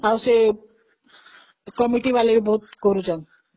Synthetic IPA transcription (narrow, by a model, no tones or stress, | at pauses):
awse | kɔmiʈibalebʱot̪̚koɾud͡ʑan